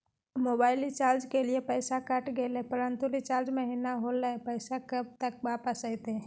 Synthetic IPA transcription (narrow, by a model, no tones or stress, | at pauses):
mobaːɪlit͡ʃaːld͡ʒkeliepəɪsakəʈɡelepəɾə̃nt̪ulit͡ʃaɾd͡ʒməɦinaɦoləpəɪsakəb̚t̪ək̚ʋapəsəɪt̪e